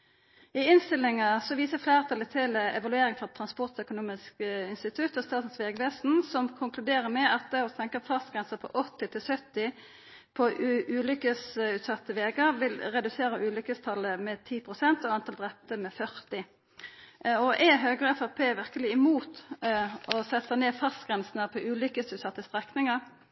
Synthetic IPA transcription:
ɪɪnst̪ɪlːɪŋəsɔʋiːsəflæːʁt̪ʰɑlət̪ʰɪlɛ̰ʋɑlʉeːɾɪŋfʁɑt̪ʰʁɑnspɔʁt̪œkʊnuːmɪskɪnst̪ɪt̪ʰʉt̪ːɔst̪ɑːt̪n̩sʋeːɡʋeːsn̩sɔmkʰʊŋkʰlʉd̪eːɾəmɛɑt̪̚d̪ɛɔsɛŋkəfʰɑst̪ɡʁɛnsəpʰɔ̰ʔɔt̪ːɪt̪ʰɪlsœt̪ːɪ | pʰɔʔʔʉːlʏkəsʉːt̪sɑt̪ːəʋeːɡəɾʋɪlʁɛd̪ʉseːɾəʉːlʏkəst̪ʰɑləmɛt̪ʰiːpʰʁʊsɛnt̪ɔɑnt̪ʰɑld̪ʁɛp̚t̪əmɛfœʁt̪ɪ | ɔʔɛɦøːɡʁɛfɑʁpʰeːʋɪʁkəlɪɪmuːt̪ | ɔsɛt̪ːəneːfɑst̪ɡʁɛnsnəpʰɔʔʉːlʏkəsʉːt̪sɑt̪ːəst̪ʁɛknɪŋəʁ

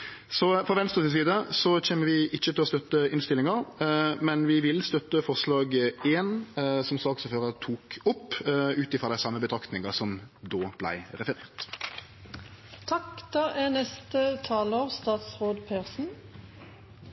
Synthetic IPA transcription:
sɔfɔʋɛnst̪ʁəsɪs̬iːd̪əsɔc͡çeːməʋɪʔɪçːət̪ʰɪlɔst̪œt̪ːəɪnst̪ɪlːɪŋɑʁmɛnʋɪʋɪlst̪œt̪ːəfɔʁslɑːɡeːnsɔmsɑːksɔføːʁət̪ʰuːkʊpːʉːt̪ɪfʁɔd̪æɪsɑmːəbət̪ʰɾɑkt̪nɪŋɑsɔmd̪oːb̥læ̰ɪʁɛfəɾḛːʁt̪ | t̪ʰɑkd̪̥ɑːʔænɛst̪ət̪ʰɑːloːʁst̪ɑːt̪sʁoːd̪pʰeːʁsn̩

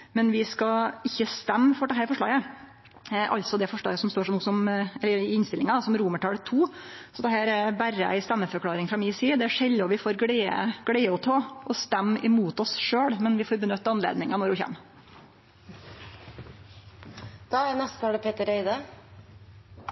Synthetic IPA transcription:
mɛnʋɪskɑɪçːəst̪ɛmːfɔɖɛɦæːɾfɔʂɭɑ̰ːɡə | ʔɑ̰lt̪sɔd̪ɛfɔʂɭɑ̰ːɡəsɔmst̪oːʂɔmnuːsɔmɛlːəɾɪnst̪ɪlɪŋɑd̪sɔmɾuːməʈʰɑːlət̪ʰːuː | sɔd̪ɛɦæːɾɛbæɾəæ̰ɪst̪æmːəfɔɾkʰlɑːɾɪŋfɾɑmiːsiːd̪ɛæʂɛlːɔʋɪfoːɾɡɽɛə̰ɡ̥ɽæɪɔt̪ʰoːʔɔst̪ɛmːɪmuːt̪ɔsʂøːɽmɛnʋɪfoːɾbənʏt̪ːəɑnlḛːd̪nɪŋɑnɔɾʋʊçɛ̰mː | d̪̥ɑænɛst̪ɑːɖəpʰeːt̪əɾœɪd̪ə

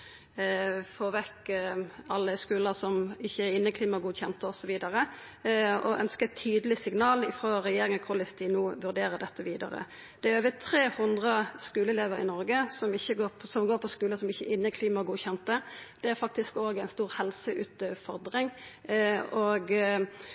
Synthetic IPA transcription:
foːʋɛkː | ɑlːəskʉːləsɔmɪçːəæɾɪnːəkʰliːmɑɡuːd̪çɛnt̪əɔsɔʋiːd̪ɑɾə | ɔʔœnskət̪ʰyːd̪əlɪsɪŋnɑːlɪfʁoːɾɛjeːɾɪŋəkʰʊlɪst̪iːnuːʋʉɾd̪eːɾəd̪ɛt̪ːəʋiːd̪ɑ̰ɾə̰ | d̪̥ɛæøːʋət̪ʰɾeːhʊnd̪ʁəskʉːləleːʋəɾɪ̰nɔɾɡəsɔmɪçːəɡoːsɔmɡoːɾpʰɔskʉːləsɔmɪçːə̰ʔɪnːəkʰliːmɑɡuːçɛnt̪əd̪̥ɛæɾfɑk̚t̪ɪskoːɡæɪnst̪uːʁhɛlsəʔʉ̰ːt̪øfɔɾd̪ɾɪŋ | oɡ

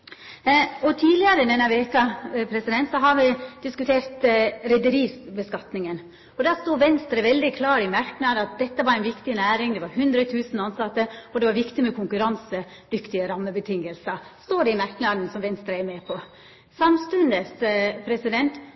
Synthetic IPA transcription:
ɔt̪ʰiːlɪɑɾəd̪ɛnːɑɾʋeːkɑpʰɾɛsɪd̪ɛnt̪sɔɦɑɾʋɪd̪ɪskʉt̪ʰeːɾt̪ɾɛd̪əɾiːsbəskɑt̪nɪŋən | ɔd̪æːst̪uːʋɛnst̪ɾəʋɛld̪ɪkʰlɑːɾɪmæɾknɑːd̪ɑt̪̚d̪ɛt̪ːəʋɑɾæɪnʋɪkt̪ɪnæːɾɪŋd̪ɛʋɑɾɦʉnd̪ɾət̪ʰʉːsn̩ɑnsɑt̪ːəɔd̪ɛʋɑɾʋɪkt̪ɪmɛkʰʊŋkʉɾɑnsə | d̪ʏkt̪ɪəɾɑmːəbət̪ʰɪŋːəlsəst̪oːɖ̪ɛɪmæɾknɑːd̪n̩sɔmʋɛnst̪ɾəɛmeːpʰɔ | sɑmst̪ʉnd̪əspʰɾɛsɪd̪ɛnt̪

